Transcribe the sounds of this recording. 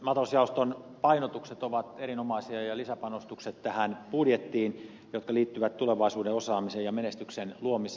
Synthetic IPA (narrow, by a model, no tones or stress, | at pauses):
mɑt̪ɑlɑsjɑost̪onpɑinot̪ukset̪oʋɑt̪eɾinomɑisiɑjɑlisæpɑnost̪ukset̪t̪æhænpudjet̪ːiːn | jot̪kɑliːt̪ːyʋæt̪t̪uleʋɑisuːdeosɑːmiseːjɑmenest̪yksenluomis